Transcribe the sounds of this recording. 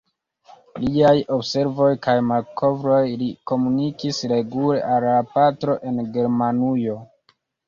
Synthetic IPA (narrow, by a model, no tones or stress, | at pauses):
liajo̞bse̞ɾvo̞jkajmalkʰo̞vɾo̞jliko̞munikisɾe̞ɡulḛʔalːapatɾo̞ʔe̞nɡe̞ɾmanujo̞